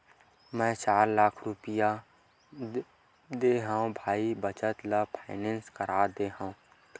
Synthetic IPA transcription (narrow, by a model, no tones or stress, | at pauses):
mɛ̃ːt͡ʃaːɾlaːkʰɾʊpɪja | d̪eːɦãõbʱaːibət͡ʃət̪lapʰaɪnẽnskəɾʔaːd̪eːɦãːõ